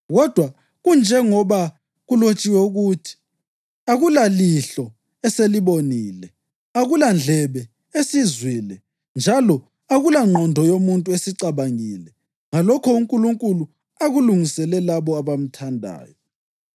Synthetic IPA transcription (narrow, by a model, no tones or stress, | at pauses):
ɣɔd̥ʱwa | ɣund͡ʒʱɛŋɔβa | ɣulot͡ʃʼiwɛuɣutʰi̥ | aɣulaliɬɔ | ɛseliβoniːlɛ | aɣuland͡ɮʱɛβɛ | esizwilɛ | nd͡ʒʱalɔ | aɣulaŋ͡ǃʱɔndʱɔjomuntʼuesiǀaβaŋilɛ | ŋalɔkʰɔuŋkʼuluŋkʼulu | aɣuluŋisɛlɛlaβɔaβam̩tʰandʱa̰ːjɔ